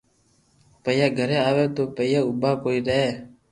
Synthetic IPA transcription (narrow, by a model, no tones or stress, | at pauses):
pəjaɡʱəɾeaːʋet̪oːpəijaubʱakoːiːɾəɦeː